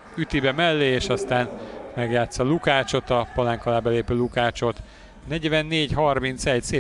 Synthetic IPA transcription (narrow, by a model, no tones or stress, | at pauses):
yt̪ibɛmɛlːeːeːʃɒst̪aːnmɛɡjaːt̪sːɒlukaːt͡ʃo̞t̪ɒpɒlaŋkɒlaːbɛleːpøːlukaːt͡ʃo̞t̪ | nɛɟvɛnːeːɟɦɒrmint̪sɛɟseː